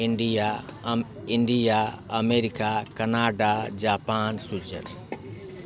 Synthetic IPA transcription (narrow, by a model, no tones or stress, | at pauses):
iɳɖija | iɳɖijaəmeɾikakənaɖad͡ʒapansud͡ʒə̰t̪